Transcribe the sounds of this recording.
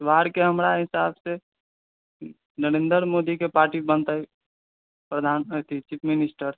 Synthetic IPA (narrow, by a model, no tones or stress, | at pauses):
sʋaːɾkeɦəmɾaɦɪsaːbse | nəɾẽːnd̪əɾmoːd̪ikepaːɾʈibənt̪ai | pɾəd̪ʱaːnt̪ʰit͡ʃipʰmɪnɪsʈəɾ